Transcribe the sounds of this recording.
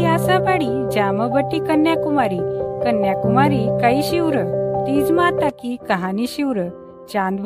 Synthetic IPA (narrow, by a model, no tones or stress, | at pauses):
iasabaɽi | d͡ʑaməbəʈːikənjakumaɾikənːjakumaɾikaiɕiwɾət̪iːd͡zmat̪akikəɦãniɕiwɾə | d͡ʑãnd̪b